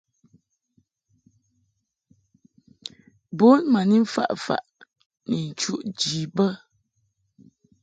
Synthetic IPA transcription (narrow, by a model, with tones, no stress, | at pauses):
bo˦nma˨ni˦m̩˦fa̰˦˨ʔfa̰˨ʔ | ni˨n̩˨t͡ʃu˦ʔd͡ʒi˨bə˦